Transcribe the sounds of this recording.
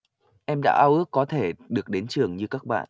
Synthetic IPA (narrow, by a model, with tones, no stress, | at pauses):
ʔɛ˧mɗa̰ː˧˥ʔaː˧wʔɨ˦˥ək̚kːɔ˨˦t̪ʰe˧˩ɗɨ˨˩ək̚ɗe˨˦nt͡ɕɨ˨˩əŋɲɨ˧ka˦˥k̚ɓa̰ː˧˨nʔ